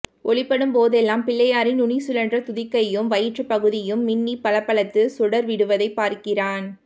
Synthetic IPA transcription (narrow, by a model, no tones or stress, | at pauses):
ʔɔɭɪpːɐɽɯmpoːðɛlːaːmpɪlːɐjaːɾɪnʊɳisʊlɐndrɐt̪ʊðɪkːɐjɯmʋɐjɪʈrɯpːɐɣɯðɪjɯmːɪnːipɐlɐpːɐɭɐt̪ːɯsʊɽɐɾʋɪɽɯʋɐðɐɪpːaːɾkɪraːn